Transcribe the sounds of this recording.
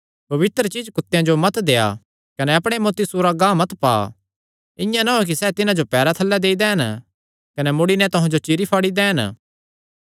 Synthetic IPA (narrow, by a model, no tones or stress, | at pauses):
pɐʋɪt̪ɾət͡ʃiːd͡ʒkʊt̪ːejãd͡ʒomɐt̪d̪eːa̰ | kɐnɛɐpɽ̃emoːt̪isuːɾaɡãːmɐt̪pa̰ː | ɪ̃jãnaɦok̬isɛːt̪ɪnãd͡ʒopɛːɾat̪ʰɐlːɛd̪eːid̪ɛːɦn | kɐnɛmʊɽinɛ̃t̪ʊɦãd͡ʒot͡ʃiɾipʰaːɽid̪ɛːn